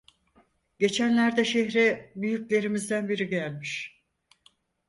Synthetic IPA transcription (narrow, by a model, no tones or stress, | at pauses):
ɟe̞t͡ʃʰænlʲæɾd̪ɛʃeçɾɛbyjyclʲe̞ɾimizd̪ænbiɾiɟælʲmiʃ